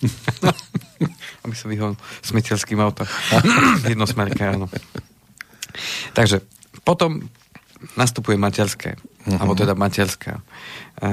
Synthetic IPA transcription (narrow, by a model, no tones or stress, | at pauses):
abisaʋiɦɔsmɛcɛlskiːmaʊt̪ɔm | jɛd̪nɔsmɛʎkɛanɔ | t̪aɡʒɛ | pɔt̪ɔm | nast̪upujɛmacɛɾskʰɛ̰ːalbɔt̪ɛd̪amacɛɾskʰa̰ː